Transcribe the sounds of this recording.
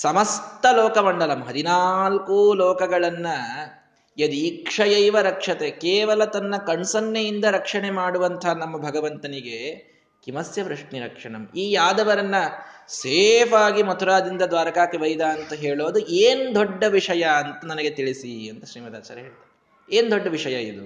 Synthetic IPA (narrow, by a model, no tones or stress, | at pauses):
sɐmɐst̪ɐloːkɐmɐɳɖɐlɐmɦɐd̪inalkuloːkɐɡɐɭɐnːɐ | jɐd̪iːkʂɐjɐjʋɐɾɐkʂɐt̪ekeːʋɐlɐt̪ɐnːɐkɐɳsɐnːejind̪ɐɾɐkʂɐɳe̞maːɽuʋɐnt̪ʰɐɦanɐmːɐbʱɐɡɐʋɐnt̪ɐniɡe | kimɐsjɐʋɾɐʂɳiɾɐkʂɐɳɐmiːjaːd̪ɐʋɐɾɐnːɐseːpʰaːɡimɐt̪ʰuɾaːd̪ind̪ɐd̪ʋaːɾɐkaːkiʋɐjd̪aɐnt̪ɐɦeːɭoːd̪ueːnd̪ɔɖːɐʋiʂɐjɐːnt̪ɐnɐnɐɡet̪iɭisiɐnt̪ɐʃɾiːmɐd̪a̰ːt͡ʃaːɾɐɦeːɭt̪aːɾe | eːnd̪ɔɖːɐʋiʂɐjɐid̪u